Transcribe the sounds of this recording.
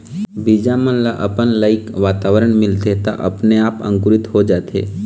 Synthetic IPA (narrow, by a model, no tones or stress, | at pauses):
bid͡ʒamənlaʔəpənləɪkʋaːt̪aːʋəɾəɳmɪlt̪et̪a̰ʔɐ̰pneaːpə̰̃ŋkʊɾɪt̪ɦod͡ʒaːt̪ḛː